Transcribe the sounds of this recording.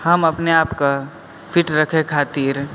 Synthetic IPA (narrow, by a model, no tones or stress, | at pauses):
həmɐpneaːpka | pʰɪʈɾɐkʰekʰaːt̪iːɾ